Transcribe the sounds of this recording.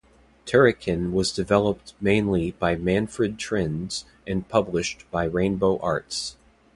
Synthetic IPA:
tʰɛɹɨkʰɨ̃nwʌzdɨvɛlˠəp̚t̚mẽɪ̃nlib̥aɪmæ̃nfɹɨd̚tʰɹ̥ɪ̃nz̥ | ɨ̃npʰʌblɨʃtb̥aɪɹẽɪ̃nboʊʔɑɹts

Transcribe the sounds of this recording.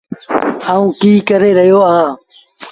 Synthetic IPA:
aːũːkiːkəɾeːɾəɦjoːãː

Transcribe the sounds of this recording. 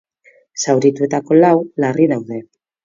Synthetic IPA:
sawɾit̪ue̞t̪ako̞lawlarinawðe̞

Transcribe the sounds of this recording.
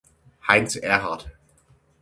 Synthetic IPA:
haɪnsɛɐɦaɐt

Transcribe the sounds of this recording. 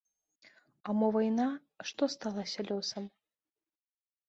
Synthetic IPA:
amɔvajna | ʂt̪ɔst̪alˠasʲɐlʲɔsɐm

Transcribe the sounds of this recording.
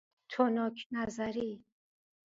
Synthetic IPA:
t̪ʰonɔkʰnazaɾi

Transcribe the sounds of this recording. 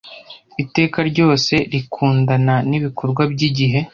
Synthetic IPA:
ite̞ːkaɾɟo̞ːse̞ɾikʰuːndananiβikʰoɾɡwabɟiɟiɦe̞

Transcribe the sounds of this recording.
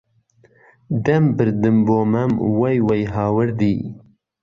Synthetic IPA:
d̪ɐmbɨɾd̪ɨmboːmɐmwɐjwɐjɦɑːwəɾd̪i

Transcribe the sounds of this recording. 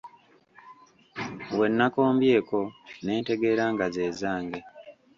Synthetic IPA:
we̞nːako̞ːmbje̞ːko̞ne̞ːnte̞ɡe̞ːɾaːŋɡaze̞ːzaːŋɡe

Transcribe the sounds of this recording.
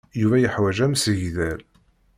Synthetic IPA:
juvæjəħwæʒæmsəʝðæl

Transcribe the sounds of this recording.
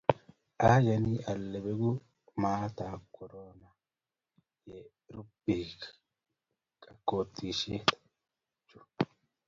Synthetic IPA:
ʔaːd͡ʒɐniːʔɐlːɛbɛɡʊ | maːt̪aːkʰːɔɾoːna | jɛ | ɾʊb̥ːiːk | kʼɐkːoːt̪ʰːiːʃeːt̪ | t͡ʃːʊ̥

